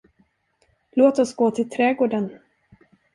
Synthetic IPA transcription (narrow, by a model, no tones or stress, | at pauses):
loːt̪ɔsɡoːt̪ʰɪlt̪ʰɾɛːɡoːɖən